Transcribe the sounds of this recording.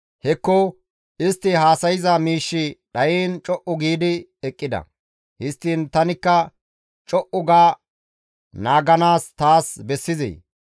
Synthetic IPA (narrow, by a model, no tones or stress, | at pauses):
hɛkːɔ | ʔɪst̪ːɪɦaːsɐjɪzɐmiːʃːɪɗɐjiːnt͡ʃʼɔʔʊɡiːd̪ɪɛkʼːɪd̪ɐ̰ | hɪst̪ːint̪ɐnɪkːɐ | t͡ʃʼɔʔʊɡaː | naːɡɐnaːst̪aːsbɛsːɪzɛ̰ː